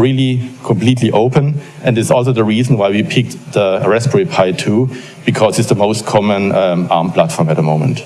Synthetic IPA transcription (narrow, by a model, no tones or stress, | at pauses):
ɹilikʰɔ̃mpl̥iːtʰliʔoʊpə̃n | ʔɛ̃ndɪsɔlˠs̬oʊðəɹiːzn̩waɪwipʰɪk̚ðəɹɛspəɹipʰaɪtʰːu | b̥ɨkʰɔzɪsðəmoʊstkʰɔmə̃nəʔaɹmblatfɹɔ̃mɛt̚ðəmõʊ̃mə̰̃nt